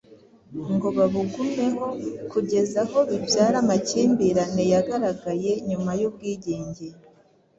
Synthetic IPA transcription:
ŋɡo̞βaβuɡume̞ɦo̞kuɟe̞zaho̞βibjaːɾamaciːmbiɾane̞jaɡaɾaɡaje̞ɲumajub̚ɡiːɟe̞ːɲɟe̞

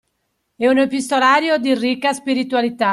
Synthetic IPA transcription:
ɛunepist̪olaːɾjod̪irikːaspiɾit̪ualit̪a

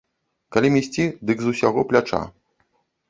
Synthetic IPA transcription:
kalʲimʲisʲt͡sʲid̪ɨɡzusʲaɣɔplʲat͡ʂa̰

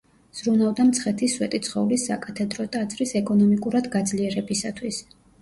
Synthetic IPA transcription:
z̥ɾunavd̪amt̪sʰχɛt̪ʰiswɛt̪ʼit̪sʰχɔlisːa̰kʼat̪ʰɛd̪ɾɔt̪ʼaːt̪sʰʼɾisɛkʼɔnɔmikʼuɾad̪ɡad̪zliɛɾɛbisat̪ʰwis

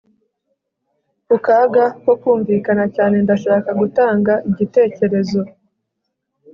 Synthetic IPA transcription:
ukaːɡako̞kuːɱvikanacaːne̞ndaʃaːkaɡutaːŋɡaʔiɟite̞ːce̞ɾe̞zo̞

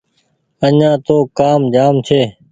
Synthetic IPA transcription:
əɲãːt̪oːkaːmd͡ʒaːmt͡ʃʰeː

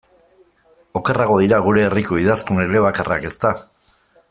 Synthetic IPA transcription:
o̞keraɣ̞o̞ðiɾaɣ̞uɾe̞ːriko̞iðaskuneɾe̞βakarʔa̰ke̞st̪a

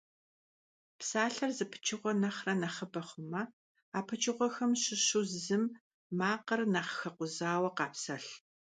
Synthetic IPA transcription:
psaːɬɐrzɨpʰɨ̥t͡ʃʰɪʁʷɔnɐχrɐnɐχəbɐχʷʊmɐ | aːpʰɨt͡ʃʰʼɪʁʷɔxɐmɕɪɕuzzɨm | mːaːqərnɐχxɐqʷʊzaːwɐqɑːpsɐɬ

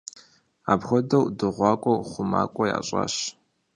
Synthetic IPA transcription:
aːbxʷɔdɐwdɨʁʷɑːkʷʼɔχʷʊma̰ːkʷʼɔja̰ːɕʼa̰ːɕ

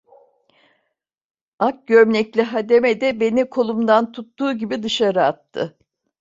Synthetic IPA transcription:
ak̚ɟøɾmnʲɛclʲiɦad̪e̞med̪ɛbe̞nikʰo̞lˠumd̪ant̪ʰut̪ːuːɟibid̪ɯʃaɾɯat̪ʰːɯ̰

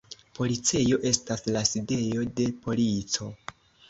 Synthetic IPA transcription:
po̞lit͡sejo̞ʔe̞staslaside̞jo̞de̞po̞lit͡so̞

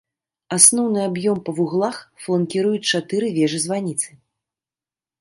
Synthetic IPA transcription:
asnɔwnɨabjɔmpɐvuɣlˠaxflˠɐnkʲiɾujut͡sʲt͡ʂat̪ɨɾɨvʲɛʐɨzvanʲit̪sɨ̥

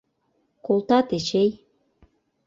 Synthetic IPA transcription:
kolˠt̪ɑt̪et͡ɕej

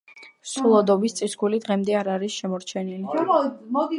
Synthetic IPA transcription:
sulˠɔd̪ɔbist̪sʼisɡulid̪ʁɛmd̪ɛaɾaɾisʃɛmɔɾt͡ʃʰɛnilimɔd̪i

